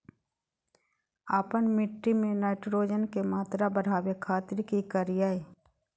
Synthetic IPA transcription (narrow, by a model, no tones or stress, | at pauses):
aːpənmɪʈːimẽnaːɪʈɾoːd͡ʒənkemaːt̪ɾabəɽ̤aːwekʰaːt̪ɪɾkikəɾɪjae